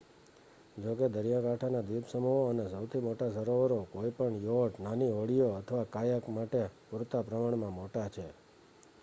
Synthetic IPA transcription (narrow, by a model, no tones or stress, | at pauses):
d͡ʒoked̪əɾijãkaʈʰanad̪ipsəmuɦoənesəwt̪ʰimoʈasəɾoʋəɾokoipəɳjoɖnaniʋəɭijoət̪ʰəʋakajəkmaʈepuɾt̪apɾəmaɳmãmoʈat͡ʃʰe